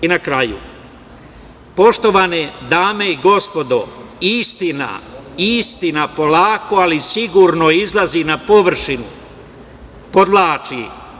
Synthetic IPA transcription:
inakɾajṵ | po̞ʃt̪o̞ʋaned̪aːme̞iɡo̞spo̞d̪oist̪ina̰ist̪inapo̞laːko̞alisiɡuɾnoizlˠazinapo̞ʋr̩ʃinu | po̞d̪laːt͡ʃi

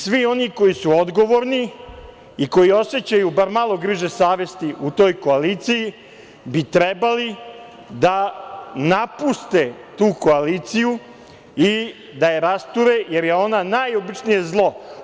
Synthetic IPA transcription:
sʋio̞niko̞jisuod̪ɡo̞ʋo̞ɾni | iko̞jio̞se̞t͡ɕajubaɾmalˠo̞ɡɾiʒesaːʋe̞st̪iut̪o̞ːjko̞aliːt̪siji | bit̪ɾebali | d̪anapust̪e̞t̪uːko̞aliːt̪siju | i | d̪ajeɾast̪uɾeje̞ɾje̞o̞nanajobit͡ʂnijezlˠo̞

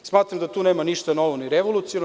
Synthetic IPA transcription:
smaːt̪ɾamd̪at̪uːneːmaniʃt̪ano̞ʋoniɾeʋolˠut̪sion

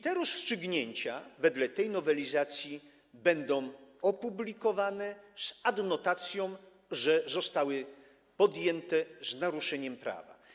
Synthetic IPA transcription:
t̪ɛɾɔstʂɘɡɲeɲt͡ɕavɛd̪lɛt̪ɛjnɔvɛlʲizat̪sʲji | bɛnd̪ɔ̃w̃ɔpublʲikɔvanɛz̥ad̪nɔt̪at̪sʲjɔ̃w̃ | ʐɛzɔst̪awɘ | pɔd̪jɛnt̪ɛznaɾuʂɛɲɛmpɾa̰va̰

